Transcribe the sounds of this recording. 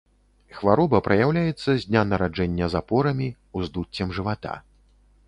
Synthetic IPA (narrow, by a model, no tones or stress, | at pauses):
xvaɾɔbɐpɾɐjawlʲajɛt̪sːɐzʲd̪ʲnʲanɐɾad͡ʐɛnʲːɐzapɔɾɐmʲi | uzd̪ut͡sʲːɐmʐɨvat̪a̰